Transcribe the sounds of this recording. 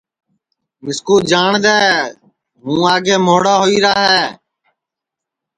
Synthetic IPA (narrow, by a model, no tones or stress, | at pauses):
mɪskuːd͡ʒaːɳd̪ɛː | ɦũːaːɡeːmoːɽaːɦoːiːɾaːɦɛː